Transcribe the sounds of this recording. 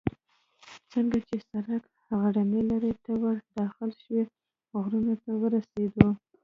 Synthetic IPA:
t͡səŋɡat͡ʃesaɾak | haɣaɖanelaɾet̪awaɾd̪ɑxɪlʃwe | ɣɾunot̪awəɾased̪o

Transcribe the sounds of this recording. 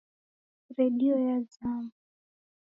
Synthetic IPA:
ɾɛɗiɔjazamu

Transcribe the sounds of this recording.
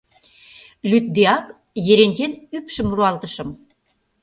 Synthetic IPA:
lyt̪̚d̪eɑk | jĕɾenʲt̪ʲenypʃə̆mruɑlt̪ə̆ʃɤ̆m

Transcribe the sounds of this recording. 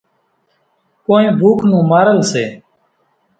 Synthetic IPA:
koːẽːbʱuːkʰnũːmaːɾəlseː

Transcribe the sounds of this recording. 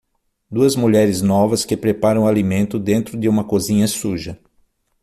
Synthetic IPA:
d̪uɐzmuʎɛɾɪznɔvɐskɪpɾepaɾɐ̃w̃alimẽnt̪ʊd̪ẽnt̪ɾʊd̪ɪũmɐkozĩɲɐsuʒɐ

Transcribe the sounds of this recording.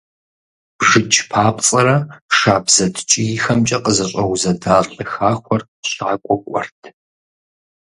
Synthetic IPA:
bʒɨt͡ʃʼʰpʰaːpʼt͡sʼɐɾɐʃaːbz̥ɐtʰt͡ʃʼɪjɪxɐmt͡ʃʼɐqʼəzɐɕʼɐwzɐdaːɬʼɨxaːχʷɔr | ɕaːkʷʼɔkʷʼɔ̰rtʰ

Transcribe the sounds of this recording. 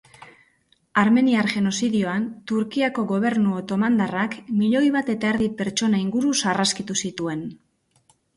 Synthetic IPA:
aɾme̞niaɾʝe̞no̞siðio̞ant̪uɾkiako̞ɣo̞β̞e̞ɾnuot̪o̞mand̪arakmiʎo̞jβat̪e̞t̪ae̞ɾðipe̞ɾt͡ʃo̞naiŋɡuɾusaraskit̪usit̪ue̞n

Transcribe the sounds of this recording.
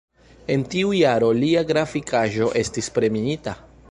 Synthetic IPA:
e̞ntiujaɾo̞liaɡɾafikaʒo̞ʔe̞stispɾe̞miita

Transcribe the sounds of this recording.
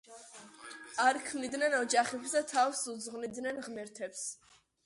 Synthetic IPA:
aɾkʰmnid̪nɛnɔd͡ʒaχɛpsd̪at̪ʰafsud̪zʁnid̪nɛnʁmɛɾt̪ʰɛps

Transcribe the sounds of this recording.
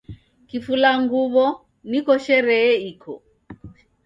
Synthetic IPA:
kifulaŋɡuβɔ | nikɔʃɛɾɛːikʰɔ̰

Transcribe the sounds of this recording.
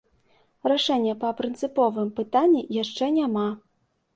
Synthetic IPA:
raʂɛnʲːɐpɐpɾɨnt̪sɨpɔvɨmpɨt̪anʲːijaʂt͡ʂɛnʲama

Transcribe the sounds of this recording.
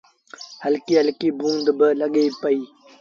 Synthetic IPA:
hɐlkiːəlkiːbũːnd̪bələɡeːpɐiː

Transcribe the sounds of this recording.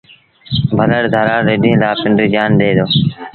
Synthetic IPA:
bʱələɽd̪ʱəɾaːɾeːɗĩːlaːpɪɳɖɾiːd͡ʒaːnɗ̪eːd̪oː

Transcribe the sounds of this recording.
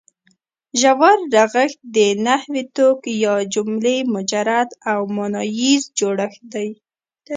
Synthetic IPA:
ʒawaɾːaɣəxt̪̚d̪ənahwit̪okjɑd͡ʒʊmlemʊd͡ʒaɾad̪awmʊnɑjizd͡ʒoɽaxd̪aj

